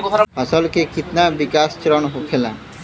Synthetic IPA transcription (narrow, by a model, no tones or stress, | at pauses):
ɡɾɔsɔlkekit̪nabikast͡ɕɾɔnɦokʰela